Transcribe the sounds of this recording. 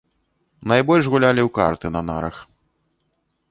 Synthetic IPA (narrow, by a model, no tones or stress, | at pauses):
najbɔlʲʂɣulʲalʲiwka̰rt̪ɨnɐna̰ɾɐ̰x